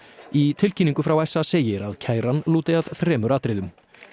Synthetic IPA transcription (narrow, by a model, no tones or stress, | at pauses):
it̪ʰɪlcʰinĩŋkʏfɾawɛsːaseːjɪɾaðcʰaːjɾanluːt̪ɪað̥θɾɛːmʏɾaːt̪ɾɪðʏm